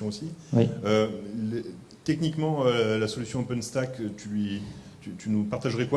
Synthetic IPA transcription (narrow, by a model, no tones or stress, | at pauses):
ɔ̃osiwiøl | t̪ɛknikmɑ̃ølasɔlysjɔ̃opɛnst̪akt̪ʰylɥit̪yt̪ynupaʁt̪aʒʁɛkwa